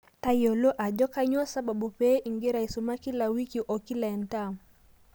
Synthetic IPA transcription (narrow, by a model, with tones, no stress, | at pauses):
tajɔ˨lɔ˦ʔa˨d͡ʒɔ˦ka˦ɲɔ˦sa˨ɓa˨ɓu˨pɛ˦ʔi˨ŋɡɛ˦ɾai˨suma˦ki˦la˨wi˦ki˨ʔɔ˨ki˦la˨ɛnta˦˨